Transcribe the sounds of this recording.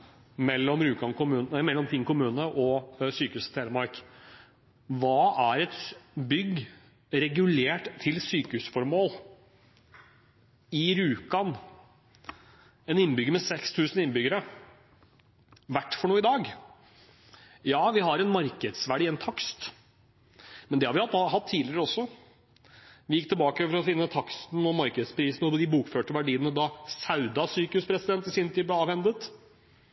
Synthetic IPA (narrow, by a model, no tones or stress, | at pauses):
mɛlːɔmɾʉːkɑnkʊmʉːnmɛlːɔmt̪ʰɪŋkʊmʉːnəʔɔsyːkəʉːsət̪ʰeːləmɑɾk | ʋɑːæɾɛt̪bʏɡ | ɾɛɡʉleːʈt̪ʰːɪlsyːkəhʉːsfɔɾmoːl | ɪɾʉːkɑn | ɛnɪnːbʏɡəmɛsɛkst̪ʰʉːsən̩ɪnːbʏɡəɾə | ʋæʈːfɔɳuːɪd̪ɑːɡ | jɑːʋɪɦɑɾɛnmɑɾkəd̪sʋæɖiːɛnt̪ʰɑkst̪ | mɛnd̪ɛhɑɾʋɪɑt̪hɑt̪ʰːiːlɪəɾəɔsːɔ | ʋɪjɪkːt̪ʰɪlbɑːkəɔɾɔfɪnːət̪ʰɑkst̪n̩ɔmɑɾkəd̪spʰɾiːsn̩ɔd̪ɪbuːkføːʈəʋæɖiːənəd̪ɑsɑʉd̪ɑsyːkʉspʰɾɛsɪd̪ɛnt̪ɪsɪnːət̪ʰiːd̪blɛɑːʋɛnd̪ət̪